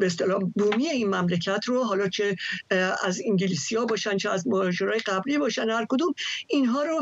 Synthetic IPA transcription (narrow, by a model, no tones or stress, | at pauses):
bees̬t̪elɒːhbuːmiːeiːnmæmlecʰæt̪ʰɾoɦɒːlɒːt͡ʃʰe | æziŋɟiliːsijɒːbɒːʃænt͡ʃʰeæzmohɒʒeɾɒːje̞ɡæbliːbɒːʃænd̪hæɾkod̪uːminɦɒːɾo